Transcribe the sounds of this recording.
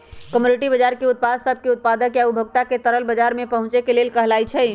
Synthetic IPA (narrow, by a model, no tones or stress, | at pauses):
kəmjunɪʈibəd͡ʒaɾkeʊt̪̚pad̪səb̚keʊt̪̚pad̪əkjaubʱəɡ̚t̪aket̪əɾəlbəd͡ʒaɾmẽpəɦʊ̃t͡ʃekelelkəɦlait͡ʃʰɛ